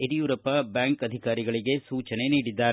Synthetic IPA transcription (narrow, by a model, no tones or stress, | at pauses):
eɾijuːɾɐpɐbaːŋkɐd̪ʱikaːɾiɡɐɭiɡe̞suːt͡ʃɐne̞niːɽid̪ːaːɾe